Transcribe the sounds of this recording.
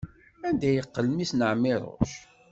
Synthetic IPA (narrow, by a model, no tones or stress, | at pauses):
ænd̪æjəqːəlmisnəʕmːɪɾˤo̰ʃ